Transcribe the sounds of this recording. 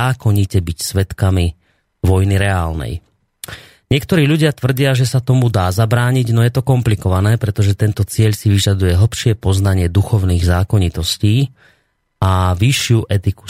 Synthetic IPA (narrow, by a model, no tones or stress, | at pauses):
aːkɔɲicɛbicsʋɛt̪kami | ʋɔjniɾɛaːlnɛ̰j | ɲɪɛkt̪ɔɾiːʎuɟɪat̪ʋr̩ɟɪaʒɛsat̪ɔmud̪aːzabɾaːɲiɟnɔjɛt̪ɔkɔmplikɔʋanɛːpɾɛt̪ɔʒɛt̪ɛnt̪ɔt͡sɪɛʎsiʋiʒad̪ujɛɦl̩pʃɪɛpɔznaɲɪɛd̪uxɔʊniːɣzaːkɔɲit̪ɔsciː | aʋiʃɪuʔɛt̪iku̥